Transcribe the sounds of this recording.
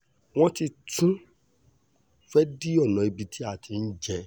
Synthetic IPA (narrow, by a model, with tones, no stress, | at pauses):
w̃ɔ̃˦ti˧tũ˦ | fɛ˦di˦ɔ˦˨nɔ̃˨i˧bi˧tʰi˦a˦˨tʰi˧n̩˦d͡ʒɛ˧